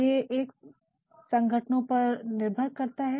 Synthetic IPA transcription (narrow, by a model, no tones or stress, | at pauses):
eʔeːk | sɐ̃ŋɡʱəʈnõpɐɾnɪɾbʱəɾkɐɾt̪aɦɛ